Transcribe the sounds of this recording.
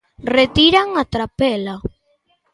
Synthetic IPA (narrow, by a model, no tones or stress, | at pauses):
ret̪iɾaŋat̪ɾapela